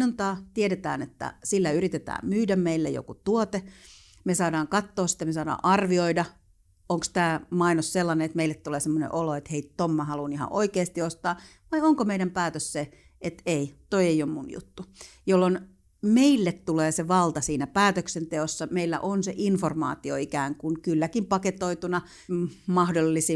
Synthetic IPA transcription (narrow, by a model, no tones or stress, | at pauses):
nont̪ɑːt̪ieɾet̪æ̰ːnḛt̪ːæ̰silːæyrit̪et̪æ̰ːmmyːdæmmeilːḛjo̰kut̪uot̪e | mesɑːdɑːŋkɑt̪ːoːssi̥t̪æmesɑːdɑ̰ːʔɑrʋioidɑ | oŋkst̪æːmɑinosselːɑnenet̪meilːet̪t̪uleːsemːonḛʔoloet̪heitt̪omːɑhɑlunihɑ̰ʔo̰ikeːst̪iost̪ɑː | ʋɑioŋkomeiɾæmpæːt̪øsse | et̪eit̪oieiommunjṵt̪ːu | jolːon | meilːet̪t̪uleːseʋɑlt̪ɑsiːnæpæːt̪øksent̪eosːɑmeilːæ̰ʔonseʔinformɑ̰ːt̪io̰ikæːŋkunkylːækimpɑket̪oit̪unɑ | mɑhdolːisi